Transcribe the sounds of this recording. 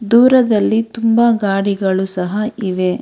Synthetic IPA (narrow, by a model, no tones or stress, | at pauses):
d̪uːɾɐd̪ɐlːit̪umbɐɡaːɽiɡɐɭusɐɦɐiʋe̞